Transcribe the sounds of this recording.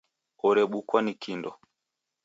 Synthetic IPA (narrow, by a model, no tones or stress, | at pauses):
ɔɾɛɓukwanikindɔ